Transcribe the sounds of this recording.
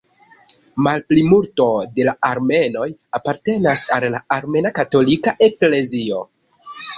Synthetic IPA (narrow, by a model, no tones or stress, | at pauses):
malplimulto̞de̞laʔaɾme̞no̞japaɾte̞nasallaaɾme̞nakato̞likaʔe̞kle̞zio̞̰